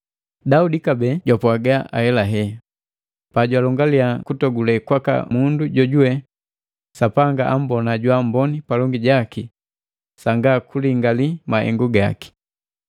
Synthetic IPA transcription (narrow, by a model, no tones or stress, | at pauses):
daudikabɛɟwapwaɡaʔa̰hɛlaɦɛ | paɟwalɔŋɡaliakutɔɡulɛkwaka̰munduɟɔɟuwɛ | sapaŋɡaʔam̩bɔnaɟwam̩bɔnipalɔŋɡiɟaki | saŋɡakuliŋɡalimahɛ̰ŋɡuɡa̰ki̥